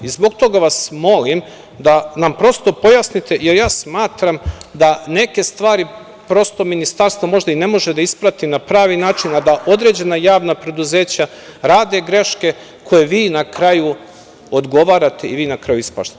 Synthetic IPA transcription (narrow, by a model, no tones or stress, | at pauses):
izbo̞ɡt̪o̞ɡaʋasmo̞lim | d̪anampɾo̞st̪o̞po̞jasnit̪e̞jeɾjaːsmaːt̪ɾamd̪ane̞ke̞st̪ʋaːɾi | pɾo̞st̪o̞minist̪aɾst̪ʋomo̞ʒd̪aine̞mo̞ʒed̪aispɾat̪inapɾaːʋinaːt͡ʃinad̪aʔo̞d̪ɾe̞d͡ʑe̞najaːʋnapɾe̞d̪uze̞ːt͡ɕa | ɾaːd̪e̞ɡɾe̞ʃke̞ | kʰo̞je̞ʋiːnakɾaju | od̪ɡo̞ʋaːɾat̪e̞iʋiːnakɾajuispa̰ʃt̪